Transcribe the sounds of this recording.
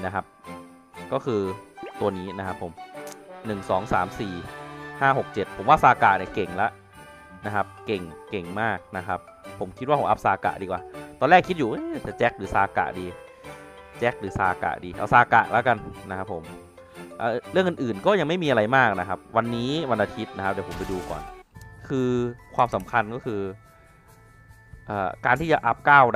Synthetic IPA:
na˦˥kʰa˦˥p̚ | kɔː˥˩kʰɯː˧t̪u˧ɐniː˦˥na˦˥kʰa˦˥pʰːo˨˩˦mnɯ˨˩ŋsɔː˩˦ŋsaː˩˦msiː˨˩haː˥˩ɦo˨˩k̚t͡ɕe˨˩t̪̚pʰo˩˦mwa˥˩saː˧ka̰ː˨˩ʔ̚ni˧˩ke˨˩ŋlɛ˦˥ʔ | na˦˥kʰa˦˥p̚ke˨˩ŋke˨˩ŋmaː˥˩k̚na˦˥kʰa˦˥pʰː | o˩˦mkʰi˦˥waː˥˩po˨˦ʔa˦˥p̚saː˧ka̰ː˨˩diː˧kwaː˨˦t̪ɔː˧nlɛː˥˩kʰːi˦˥t̪̚juː˨˩ʔɯ˦˥t̪ɛː˨˩t͡ɕɛ˦˥k̚ɾɯː˩˦saː˧ka̰˨˩diː˧ | t͡ɕɛ˦˥k̚ɾɯː˩˦sa̰ː˧ka̰˨˩ʔdiː˧ʔa̰˧˩wsaː˧ka̰˨˩ʔlɛ˦˥ka˧nna˦˥kʰa˦˥pʰːo˩˦m | ʔaː˧˩˨ɾɯ˥˩əŋʔɯ˨nʔɯː˨˩nkɔː˥˩ja˧ŋma˥˩jmiː˧ʔa˧ɾa˧jmaː˥˩k̚na˦kʰa˦˥p̚wa˧nːiː˦˥wa˧nʔa˧t̪ʰi˦˥t̪̚na˦˥k̚ʰd̪ɛ˨˩˦pʰo˩˦pa˧jduː˧kɔ̰ː˨˩nkʰɯː˧kʰwaː˧msa˩˦mkʰa˧nkɔː˥˩kʰɯː˧ | ʔɤ̰ː˨˩kaː˧nt̪ʰiː˥˩t͡ɕa˨˩ʔa˦˥p̚kaː˥˩w

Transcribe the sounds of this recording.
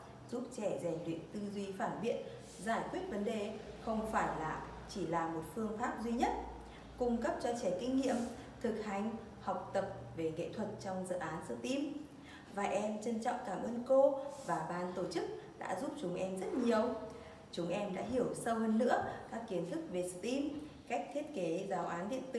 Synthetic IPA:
zu˦˥p̚t͡ɕɛ˧˩zɛ˨˩ŋɗwḭ˧˨ənt̪ɨ˧zwi˧faː˧˩nɓḭ˧˨ən | zaː˧˩jkwi˦˥ət̚və˨˦nɗe˨˩xə˧wŋ͡mfaː˧˩jlaː˨˩ | t͡ɕi˧˩laː˨˩mo˨˩t̚fɨ˧əŋfaː˦˥p̚zwi˧ɲə˦˥t̚ | kʊ˧ŋ͡mkə˦˥p̚t͡ɕɔ˧t͡ɕɛ˧˩kï˧ŋ̟ːḭ˧˨əm | t̪ʰɨ˨˩k̚ha˨˩jŋ̟ | hɔ˨˩wk͡p̚t̪ə˨˩p̚ve˧˨˩ŋḛ˧˨t̪ʰwə˨˩t̚t͡ɕɔ˧wŋ͡mzɨ̰˧˨ʔaː˨˦nsɨ̰˧˥t̪i˧m | vaː˨˩ʔɛ˧mt͡ɕə˧nt͡ɕɔ̰˧˨wŋ͡mkaː˧˩mʔəː˧nko˧vaː˨˩ɓaː˧nt̪o˧˩t͡ɕɨ˦˥k̚ɗa̰ː˧˥zu˦˥p̚t͡ɕʊ˨˦ŋ͡mʔɛ˧mzə˦˥t̚ɲi˨˩əw | t͡ɕʊ˨˦ŋ͡mʔɛ˧mɗa̰ː˧˥ɦi˧˩əwsə˧whəː˧nːɨ̰˧˥əkaː˦˥kːi˨˦ənt̪ʰɨ˦˥k̚ve˨˩sɨ̰˧˨t̪i˧mka˦˥jk̟̚t̪ʰi˦˥ət̚ke˨˦zaː˨˦wʔaː˨˦nɗḭ˧˨ənt̪ɨ̰˧˨

